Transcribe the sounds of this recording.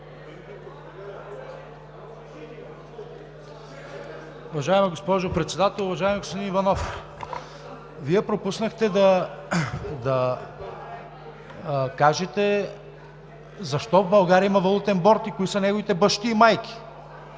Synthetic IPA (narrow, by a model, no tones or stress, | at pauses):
ʊvɐʒaɛmiɡospɔʒopɾɛt̪sɛd̪at̪ɛlˠʊvɐʒaɛmiɡospod̪inivɐnɔf | viɛpɾopusnəxt̪ɛd̪ɐ | d̪ɐ | kaʒɛt̪ɛ | zɐʃt̪ɔvbɐlˠɡaɾiəimɐvɐlˠut̪ɛnbɔɾt̪ikoisɐnɛɡovit̪ɛbɤʃt̪iːmajkʲi̥